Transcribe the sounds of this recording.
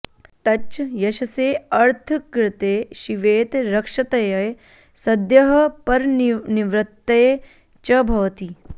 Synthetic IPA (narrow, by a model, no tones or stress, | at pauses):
t̪ɐt͡ʃjɐʃɐseːɐɾt̪ʰɐkɾɪt̪eːʃiʋeːt̪ɾɐkʂɐt̪ɐjɐj | sɐd̪jɐɦɐ̆pɐɾniʋɾɪt̪ːɐj | t͡ʃɐbʱɐʋɐt̪i